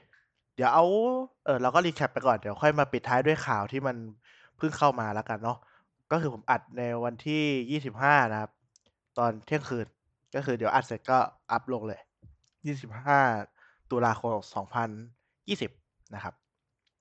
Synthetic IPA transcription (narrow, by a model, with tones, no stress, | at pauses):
di˩˦əwʔa˧wʔɤː˨˩ɾaː˧wkɔ˥˩liː˧kʰɛ˦˩pːa˧jkɔː˨˩ndi˨˦əwxʰɔ˥˩jmaː˧pi˨˩t̪ʰːaː˦˥jdu˥˩ə˩jkʰaː˨˩wt̪ʰiː˥˩ma˧n | pʰɯ˥˩ŋkʰa˥˩wmaː˧la˦˥ka˧nːɔ˦˥ | kɔː˥˩xɯː˧pʰo˩˦mʔa˨˩t̪̚na˧jwa˧nt̪ʰiː˥˩jiː˥˩si˨˩p̚ɦaː˥˩na˦˥kʰa˦˥p̚ | t̪ɔː˧nt̪ʰi˥˩əŋkʰɯː˧n | kɔː˥˩kɯː˧di˨˦ʔa̰˨˩t̪̚se˦t̪̚kɔː˥˩ʔa˦˥p̚lo˧ŋlɤː˧j | jiː˥˩si˨˩p̚haː˥˩ | t̪u˧laː˧xʰo˧msɔː˩˦ŋpʰa˧n | jiː˥˩si˨˩p̚ | na˦˥kʰa˦˥p̚